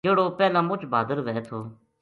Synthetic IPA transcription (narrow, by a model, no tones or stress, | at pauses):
eːɽoːpɛːlãːmʊt͡ʃbaːd̪əɾʋɛːet̪ʰoː